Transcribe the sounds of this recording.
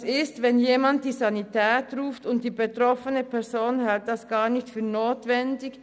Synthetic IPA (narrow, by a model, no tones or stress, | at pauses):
sɪstvɛnjeːmant̚d̥iːzanitɛːtʁuːftʊnt̚d̥iːbetʁɔfənəpʰɛɐzoːnhalt̚d̥asɡ̥aːnɪçtfyːɐnoːtv̥ɛndɪk